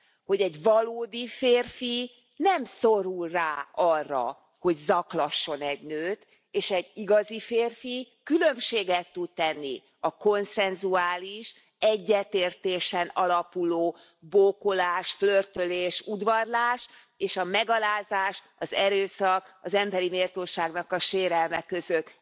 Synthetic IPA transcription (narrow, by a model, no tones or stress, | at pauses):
ho̞ɟɛɟvɒloːd̪ifeːrfi | nɛmsoɾulraːɒrːɒ̰ | ho̞ɟzɒklɒʃːo̞nɛɟnøːt̪ | eːʃɛɟːiɡɒzifeːrfi | kylømʃeːɡɛt̪ːut̪t̪ɛnːi | ɒko̞nsɛnzuaːliʃ | ɛɟːɛt̪eːrt̪eːʃɛnɒlɒpuloː | boːko̞laːʃflørt̪øleːʃud̪ʋɒrlaːʃ | eːʃɒmɛɡɒlaːzaːʃ | ɒzɛɾøːsɒkɒzɛmbɛɾimeːrt̪oːʃaːɡnɒkɒʃeːɾɛlmɛkːø̞zøt̪ː